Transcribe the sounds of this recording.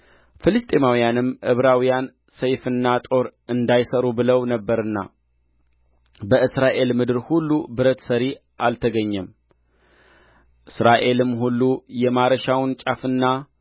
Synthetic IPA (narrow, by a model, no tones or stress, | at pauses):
fɨlɨst̪ʼemawijanɨmʔɨβɾawijan | səjfɨnːat̪ʼo̞ɾɨnd̪ajsəɾubɨləwnəbːəɾɨnːa̰ | bəʔɨsɾaʔe̞lmɨd̪ɨɾhulːubɨɾət̪səɾi | ʔalt̪ʰəɡəɲːɛm | ʔɨsɾaʔe̞lɨmːhulːujɛmaɾəʃawnt͡ʃʼafɨnːa